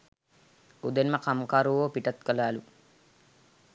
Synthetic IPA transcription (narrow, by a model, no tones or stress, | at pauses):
ud̪enməqamkaːɾuʋoːpiʈɐt̪kəlaːlu